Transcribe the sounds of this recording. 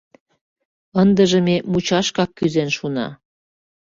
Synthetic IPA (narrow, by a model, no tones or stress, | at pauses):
ənd̪ə̆ʒə̆memut͡ɕɑʃkɑkːyzenʃunɑ̰